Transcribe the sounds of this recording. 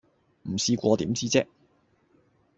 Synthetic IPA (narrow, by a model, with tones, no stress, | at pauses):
m̩˨˩siː˧kʷɔː˧t̪iː˨˥mt͡siː˥t͡sɛ˥k̚